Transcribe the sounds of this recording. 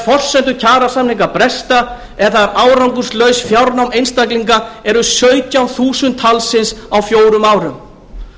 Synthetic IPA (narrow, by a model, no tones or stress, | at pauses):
fɔr̥sɛnt̪ʏcʰaːɾasamnliŋkapɾɛst̪a | ɛɾθaɾaːwɾawŋkʏɾ̥slœːɥsfjawɾnawmejnst̪akliŋkaɛɾʏsœːɥt̪jawθuːsʏnt̪ʰːalsɪnsawfjoːwɾʏmaːwɾʏm